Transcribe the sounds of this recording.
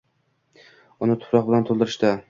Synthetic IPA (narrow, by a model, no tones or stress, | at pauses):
ʊnɪt̪ʰʊ̥pɾɒqbɪlant̪ʰolˠd̪ɪɾɪʃt̪a